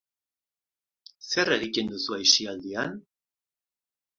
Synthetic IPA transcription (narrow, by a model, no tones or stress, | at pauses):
se̞reɾikend̪usuajsiald̪ian